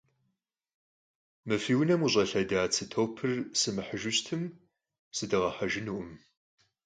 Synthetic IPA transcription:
mɨfiːwnɐmuɕʼɐɬɐdaːt͡sʰɨtʰowpʰɨrsɨmɨħəʒʊɕtʰɨm | sɨdɨʁɐħaʒɪnuʔʊm

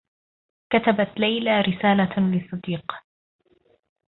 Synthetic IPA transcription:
kat̪abat̪lajlaɾɪsaːlalɪsˤːɑd̪iːq

